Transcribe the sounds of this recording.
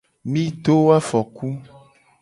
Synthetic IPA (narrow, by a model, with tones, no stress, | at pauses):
mĩ˦ɖ̪o˦wa˦fɔ˨ku˦